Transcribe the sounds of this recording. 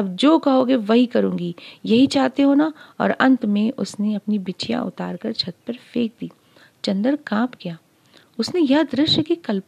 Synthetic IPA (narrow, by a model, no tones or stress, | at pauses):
ɐbd͡ʒoːkɐɦoːɡeʋɐɦikɐɾũːŋɡijɐɦit͡ʃaːɦt̪eɦoːnaɔ̰ːɾɐ̰̃nt̪mẽʔʊsneɐpnibɪt͡ʃija̰ʔʊ̰t̪a̰ːɾkɐɾt͡ʃʰɐt̪̚pɐɾfeːk̚d̪iː | t͡ʃɐ̃nd̪əɾkãːpkijaː | ʊsnejɐɦd̪ɾɪʃjəkekɐlp